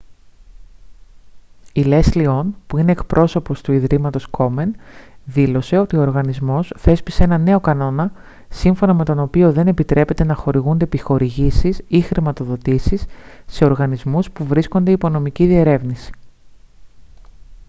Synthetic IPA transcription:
ile̞slio̞npuine̞ːkpɾʔo̞so̞po̞st̪uiðɾimɐt̪o̞sko̞me̞nðilo̞se̞o̞t̪io̞oɾɣɐnizmo̞sθe̞spise̞enɐne̞o̞kɐno̞nɐ | siɱfo̞nɐme̞t̪o̞no̞pio̞ðe̞ne̞pit̪ɾe̞pe̞t̪e̞nɐxo̞ɾiɣund̪epixo̞ɾiʝisisixɾimɐt̪o̞ðo̞t̪isisːe̞o̞ɾɣɐnizmuspuvɾiskond̪eipo̞no̞miciðie̞ɾe̞vnisi̥

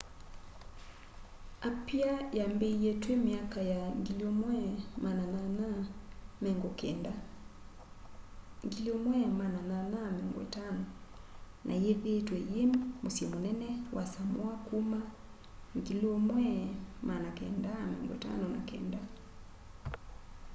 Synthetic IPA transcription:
apiajambeijetwemiakajaŋɡiliomwɛmanananamɛŋɡokɛnda | ŋɡiliomwɛmanananamɛŋɡwɛ̰tanɔ | nʔa̰jeðetwɛjemmosjɛmonɛnɛwʔasamwakuma | ŋɡilomwɛmanakɛndamɛ̰ŋɡweta̰nɔna̰kɛ̰nda

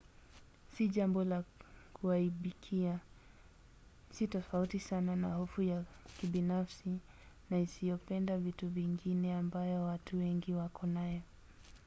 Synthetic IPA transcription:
siʄambɔlakuaiɓikʰia | sitɔfautisananahɔfujakiɓinafsi | naisijɔpɛndavituviŋɡinɛambajɔwatʰuwɛŋɡiwakʰɔnajɔ

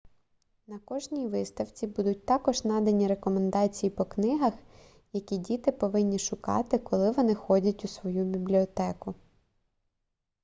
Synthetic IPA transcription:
nɐkɔʒnʲijʋɪst̪ɐwt͡sʲibud̪ʊt̚ʲt̪ɑkɔʒnɑd̪ɐnʲiɾekɔmend̪ɑt͡sʲijipɔknɪɦɐx | jɐkʲidʲit̪ɪpɔʋɪnʲːiʃʊkɑ̰t̪ɪkɔlˠɪʋɔnɪxɔdʲɐtʲusʋɔjubʲiblʲiɔt̪ɛkʊ

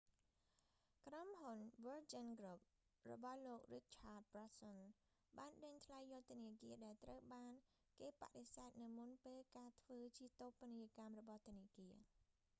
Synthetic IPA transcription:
kromɦunʋəld͡ʑənɡrup̚ | rɔ̰ɓɑhloːk̚rik̚t͡ɕʰaːbrasən | ɓaːnɗəɲt̪ʰlajːɔt̪̆ːəniəkiəɗaɛlt̪rəwɓaːn | keːpa̰ʔɗesaɛt̪̚nɨwmunpeːlkaːt̪ʰʋəːt͡ɕiət̪oːpːəniəkamrɔɓɑht̪ʊ̆əniəkiə

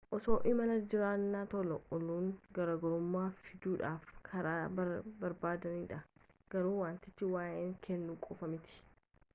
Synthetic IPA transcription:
ʔɔso̞ːʔɪmɐnɐd͡ʒɪɾaːnːaːt̪ɔlɔʔʊluːŋɡɐɾɐɡɔɾʊmːaːfɪd̪uːᶑaːfkʰɐɾaːbbɐɾbaːd̪ɐniːᶑɐ | ɡ̥ɐɾuːwaːnt̪ɪt͡ʃːɪwaːʔeːŋkʰɛnːuːkʼɔfɐmɪt̪ɪ̥

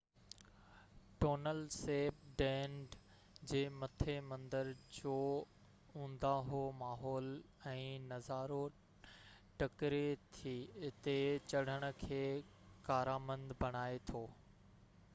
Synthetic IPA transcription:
ʈoːnəlseːp̚ɖɛ̃ːɳɖ | d͡ʑeːmɐt̪ʰemɐ̃nd̪əɾd͡ʑoː | ũːnd̪aɦomaːɦɔːl | ɛ̃ːnɐzaːɾo | ʈɐkɾet̪ʰiɪt̪et͡ɕɐɽ̤əɽ̃ə̆kʰeːkaːɾaːmə̃nd̪bɐɽ̃aːet̪ʰoː

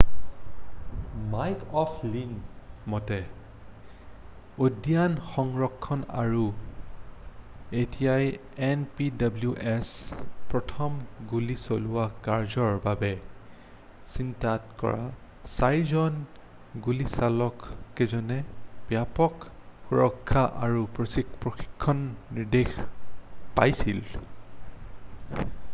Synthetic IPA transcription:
majkʰɔpʰliŋmɔtɛ | odijanxɔŋɹɔkʰːɔna̰ɹu | etijaj | ɛnpidabljuʔɛspɹɔtʰɔmɡulisolʊwakaɹzɔɹbabɛ | sintatkɔ̰ɹa̰ | sajzɔn | ɡulisalɔkːɛzɔnɛpjapɔkxuɹɔkʰːaʔaɹupɹosikpɹoxi̥kʰːɔnːiɹdex | pa̰jsil

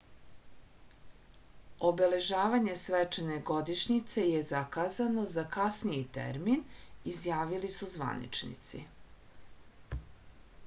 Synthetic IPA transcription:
o̞be̞le̞ʒaːʋaɲe̞sʋet͡ʃene̞ɡo̞d̪iʃɲit̪se̞jezakazano̞zakasnijit̪ḛɾminizjaːʋilisuzʋa̰nḭt͡ʃnḭt̪sḭ

